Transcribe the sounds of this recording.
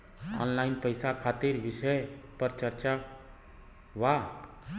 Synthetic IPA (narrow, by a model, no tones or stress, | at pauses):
ɔ̰nlaːɪnpəjsakʰat̪iɾʋɪʃəjpəɾt͡ʃəɾt͡ʃa | ʋa